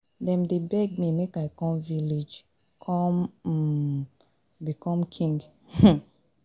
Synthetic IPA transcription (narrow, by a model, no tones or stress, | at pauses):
dɛ̃mdebɛɡ̚mimekaɪkɔ̃mvilid͡ʒ | kʰɔ̃m | bikɔ̃mkʰĩŋɡ